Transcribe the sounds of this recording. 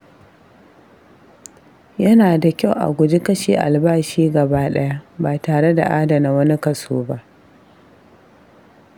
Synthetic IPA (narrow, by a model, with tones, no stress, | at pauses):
jɐ˦naː˨da˨kʲa˦˨wʔa̰˨ɡʷʊ˨d͡ʒe˦kɐ˦ʃḭː˨ʔa̰˨lbaː˦ʃiː˦ɡɐ˨baː˦ɗɐ˦ja˦ʔbaː˨taː˨ɽe˦da̰˨ʔaː˦da˨na˦wɐ˦ni˦kɐ˨soː˦ba˦ʔ